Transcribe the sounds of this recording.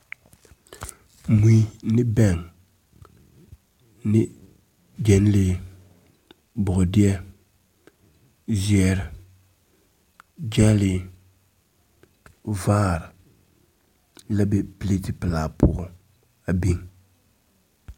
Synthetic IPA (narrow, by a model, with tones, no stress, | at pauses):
mu˦i˦nɪ˦bɛ˦˨ŋ | nɪ˦ | d͡ʒɛ˨n˦le˦ | bʊ˨ʊ˨dɪ˦ɛ˦ | zɪ˦ɛ˨ɾɪ˨ | d͡ʒɛ˦lɪ˨ | vaː˦ɾɪ˨ | la˦bɛ˦pi˦le˦ti˦pɪ˨laː˨pʰʊ˨ɣʊ˦ | a˨bi˦ŋ